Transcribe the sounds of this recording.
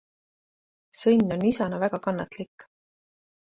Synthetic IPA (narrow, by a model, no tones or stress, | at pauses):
sɤjnʲːo̞nːisɑnɑvæɡ̥ɑkɑnːɑt̪likː